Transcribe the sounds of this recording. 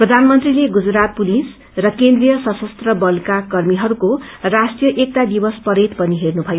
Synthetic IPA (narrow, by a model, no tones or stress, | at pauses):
prʌd̪ʱanmʌnt̪rileɡud͡zɾat̪̚pulis | prʌkend̪rijʌsʌsʌst̪rʌbʌlkakʌrmiɦʌɾukorasʈijʌʔek̚t̪ad̪ibʌspʌɾet̪pʌniɦernubʱʌjo